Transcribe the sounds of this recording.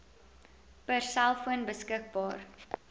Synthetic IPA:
pərsælˠfuənbəskək̚bɑːr

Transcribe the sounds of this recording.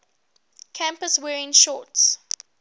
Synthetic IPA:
kʰãmpəswɛːɹɪ̃ŋʃɔts

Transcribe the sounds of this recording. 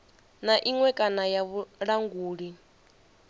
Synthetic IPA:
naʔiŋwɛkʼanajaβuɺaŋɡuːɺi

